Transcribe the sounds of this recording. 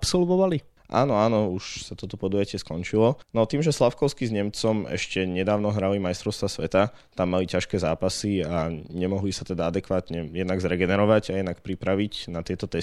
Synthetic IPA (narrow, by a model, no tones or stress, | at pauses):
psɔlʋɔʋali | ʔa̰ːnɔaːnɔuʃsat̪ɔt̪ɔpɔd̪uːjacɪɛskɔɲt͡ʃilɔnɔt̪iːmʒɛslafkɔʊskizɲɛmt͡sɔmɛ̰ʃcɛɲɛd̪aːʊnɔɦɾalimajst̪ɾɔʊst̪ʋasʋɛt̪a | t̪amːalicaʃkɛːzaːpasiaɲɛmɔɦlisat̪ɛd̪aad̪ɛkʋaːt̪ɲɛjɛd̪naɡzɾɛɡɛnɛɾɔʋaɟajɛd̪nakpɾipɾaʋicnat̪ɪɛt̪ɔt̪ɛ